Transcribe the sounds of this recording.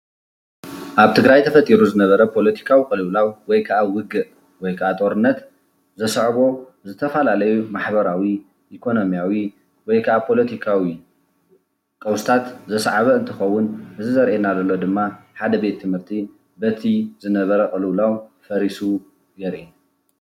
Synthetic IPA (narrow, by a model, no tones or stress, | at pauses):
ʔaβt̪ʰɨɡɾajt̪ʰɐfɐt̪ʼiɾuzɨnɐβɐɾɐpʰo̞lɐt̪ʰi̥kʰawikʼɨlɨwlawwɔjkʰaʔawɨɡɨʔ | wɔjkʰaʔat̪ʼo̞ɾɨnːɐt̪ | zɐsʕβo̞ | zɨt̪ʰɐfalalɐjumaħbɐɾawi | ʔikʰo̞no̞mjawi | wɔjkʰɐʔapʰo̞lɐt̪ʰikʰawi | kʼɐwst̪ʰat̪zɐsʕaβɐɨnt̪ʰɨxɐwːʊnʔɨzɨzɐɾʔenalɐlːo̞d̪ɨmːaħad̪ɐbe̞t̪ʰːɨmhɨɾt̪ʰi | bɐt̪ʰizɨnɐβɐɾɐkʼɨlɨwlawfɐɾisu | ɡɐɾʔi